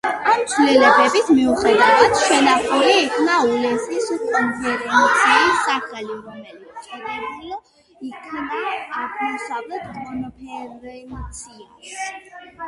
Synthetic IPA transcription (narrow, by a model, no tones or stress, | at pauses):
amt̪sʰwlɛlɛbɛbismiuχɛd̪avad̪̥ʃɛnaχuɾiːkʰnaulɛnsisukʼɔnpʰɛɾɛɛnt̪sʰiːsaχaliɾɔmɛlit̪t͡ʃɛɾal | ikʰnaaʁmɔsavlɛt̪ɡnɔpʰɛt̪sʰias